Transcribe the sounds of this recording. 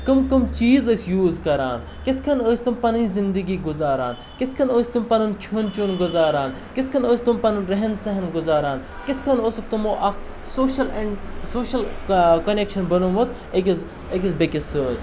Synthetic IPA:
kɐmkɐmt͡ʃiːzəːsʲjuːzkɐɾaːn | kit̪ʰkʰɐnəːsʲt̪ɨmpɐnɨnzind̪əɡiːɡuzaːɾa̰ːn | kit̪ʰkʰɐnəːsʲt̪umpɐnɐnkʰuːnt͡ʃunɡʊzaːɾaːn | kit̪ʰkʰɐnəːsʲt̪umpɐnɐnɾɐɦɐnsɐɦɐnɡʊzaːɾaːn | kit̪ʰkʰɐnoːsukt̪ɐmoːʔɐk | soːʃɐleɳɖsoːʃɐlkɐnekʃɐnbɐnonʋɐt̪ | ekʲiz | ekʲisbekʲisəːt̪

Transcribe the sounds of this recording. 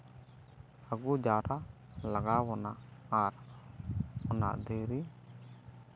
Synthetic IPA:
aɡud͡ʒaɾa | laɡawɔnaʔaɾ | ɔna̰ʔd̪iɾi

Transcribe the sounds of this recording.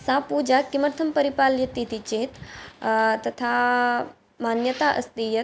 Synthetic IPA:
sãːpuːd͡ʒakiməɾt̪ʰɐmpɐɾipaːljɐt̪it̪it͡ʃeːt̪ | t̪ɐt̪ʰa | maːnjət̪aːʔɐ̰st̪ijɐ

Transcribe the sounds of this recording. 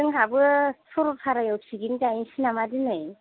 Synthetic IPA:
ɯŋɦabɯsʰɔɾɔp̚pʰaɾajɔwsʰiɡindajinsinamadinɯj

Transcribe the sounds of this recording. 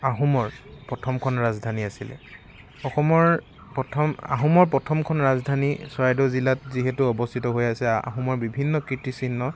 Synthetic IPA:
aɦumɔɹpɹɔtʰɔmkʰɔnɹazdʱaniasilɛ̰ | ɔxɔmɔɹ | pɔtʰɔma̰ɦumɔɹp̬ɹɔtʰɔmkʰɔnɹazdʱaniswajdɔzilatziɦɛtuɔbɔstʰitɔɦojasɛa̰ɦumɔɹbibʱinːɔkɹitisinːɔ

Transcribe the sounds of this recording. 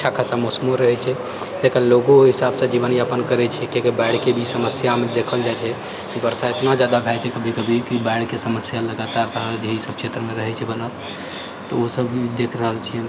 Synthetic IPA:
t͡ʃʰakʰəsamosmoɾəɦɛt͡ʃʰɛ | t̪ekəloɡoɦisabsə̃d͡ʒibəniəpənkəɾɛt͡ʃʰɛkekebaɪɽkebʱisəməsjamed̪ekʰəld͡ʒajt͡ʃʰɛ | kibəɾsaet̪nad͡ʒjad̪abʱɛt͡ʃʰɛkəbʱikəbʱikibaɪɽkesəməsjaləɡat̪aɾːəɦəld͡ʒeɦisəb̚t͡ʃʰet̪ɾəmeɾəɦɛt͡ʃʰɛbənət̪ | t̪ːɔosəbid̪ekʰɾəɦəlt͡ʃʰijɛ

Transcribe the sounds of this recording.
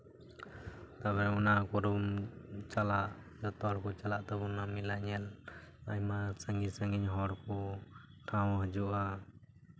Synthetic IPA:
t̪abɛɾɛɔnakɔɾumt͡ʃalaʔd͡ʒɔt̪ɔɽkɔt͡ʃalaʔt̪ɔbɔnamilaɲɛlajmasəŋɡisə̃ŋɡiɲɦɔɽkɔʈʰãwɦəd͡ʒuʔa

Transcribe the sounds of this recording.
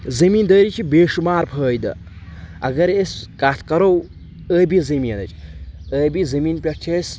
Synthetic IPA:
zɐmiːnd̪əːɾit͡ʃʰibeːʃumaːɾpʰəːjd̪ɨ̰ | ɐ̰ɡɐɾesʲkat̪ʰkɐɾow | əːbizɐmiːnɐ̰t͡ʃʰəːbizɐmiːnpʲɐʈt͡ʃʲʰes

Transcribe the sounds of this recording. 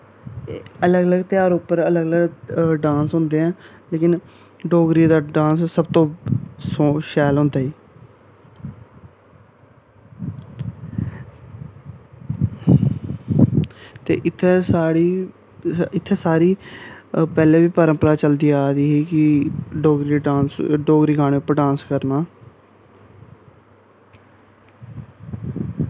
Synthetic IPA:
ələɡələɡt̪ɪaːɾʊpːəɾələɡələɡɖãːnsɦʊ̃nd̪eːɛ̃ːleːkɪn | ɖoːɡɾiːd̪aːɖãːnssəb̚t̪õːsoʃɛːlɦʊ̃nd̪aːɦiː | t̪ḛːʔɪt̪ʰːɛːsaːɾiː | ɪt̪ʰːɛːsaːɾiː | pɛːlẽːʋiːpəɾə̃mpəɾaːt͡ʃəld̪iːaːd̪iːɦiːkɪɖoːɡɾiːeɖãːnsɖoːɡɾiːɡaːɽ̃eːʊpːɾɖãːnskəɾnaː

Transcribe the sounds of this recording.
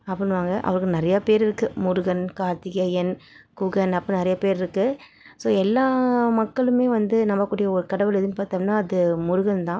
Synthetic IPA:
ɐpːɐnɯʋaːŋɡɐʔɐ̰ʋɐɾɯkːɯnɪɾɐjapeːɾɪɾɯkːɯmʊɾʊɣɐnkaːɾt̪ɪjɐjɐnkuːɣɐnɐpːɐ̃nɪɾɐjapeːɾɪɾɯkːɯ | soːɛlːaːmɐkːɐɭɯmeːʋɐnd̪ɯnɐmːɐkːuːɽɪjɐɔɾɯkɐɽɐʋɯɭɛðɯnːɯpaːɾt̪aːnːaːɐðɯmʊɾɯɣɐnt̪ãː

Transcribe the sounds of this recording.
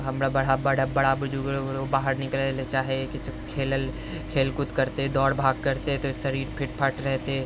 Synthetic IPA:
ɦɐmɾabɐɽ̤abɐɽabɐɽ̤abʊd͡ʒuɡɾoɡɾobaːɦəɾnɪkəlelet͡ʃaːɦieket͡ʃkʰeːləl | kʰeːlkʊt̪kɐɾt̪eɦɛd̪ɔːɽbʱaːɡ̚kɐɾt̪eɦɛ̃t̪oʃɐɾiːɾpʰɪʈ̚pʰəʈɾɛɦt̪eɦɛ̃

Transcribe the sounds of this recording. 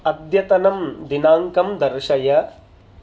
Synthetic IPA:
ɐd̪jɐt̪ɐnɐmd̪inaːŋkɐmd̪ɐɾʂɐjɐ

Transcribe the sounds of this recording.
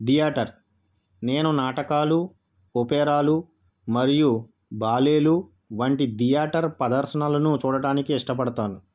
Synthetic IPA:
d̪ijaːʈɐɾ | ne̞ːnunaːʈɐkaːlu | opɛːɾaːlu | mɐɾiju | baːle̞ːlu | ʋɐɳʈid̪ijaːʈɐɾpɐd̪ɐɾsɐɳalɐnut͡ʃuːɽɐɽaːnikiiʂʈɐpɐɽɐt̪aːnu

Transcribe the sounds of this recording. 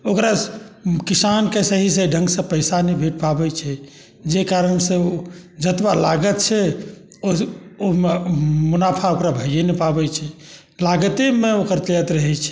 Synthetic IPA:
okɾakisankesəɦisəɖʱə̃ŋɡsə̃pəɪsanɛbʱeʈ̚pabɛt͡ʃʰɛ | d͡ʒekaɾənsẽod͡ʒət̪balaɡət̪̚t͡ʃʰɛ | oomemunapʰaokɾabʱəjjenepabɛt͡ʃʰɛ | laɡt̪emeokəɾt̪jət̪ɾəɦɛt͡ʃʰɛ̥

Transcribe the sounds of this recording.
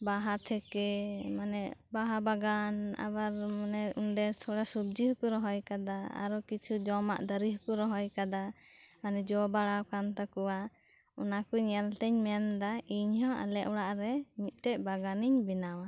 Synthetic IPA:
baɦat̪ʰɛkɛmanɛbaɦabaɡana̰baɾmanɛuɳɖɛst̪ʰɔɽasub̚d͡ʒihɔkuɾɔɦɔjkad̪aa̰ɾɔkit͡ʃʰud͡ʒɔma̰ʔd̪əɾiɦɔkuɾɔɦɔjkad̪a | manɛd͡ʒɔbaɽawkant̪akɔwa | ɔ̰nakɔɲɛlt̪ɛɲmɛnd̪aiɲɦɔ̃ʔa̰lɛʔɔɽaʔɾɛmit̪̚ˀt̪ɛʔbaɡaniɲbinawa

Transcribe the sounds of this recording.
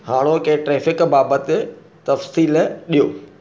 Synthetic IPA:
haːɽ̃okẽːʈɾɛːfɪkbaːbət̪ɪ | t̪ɐfsiːlɗijoː

